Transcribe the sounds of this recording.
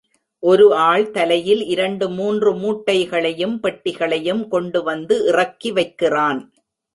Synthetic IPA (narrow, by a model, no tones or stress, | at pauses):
ʔɔɾɯaːɭt̪ɐlɐjɪlɪɾɐɳɖɯmuːndrɯmuːʈːɐɪɣɐɭɐjɯmpɐʈːɪɣɐɭɐjɯmkɔɳɖɯʋɐnd̪ɯʔɪrɐkːiʋɐɪkːɪraːn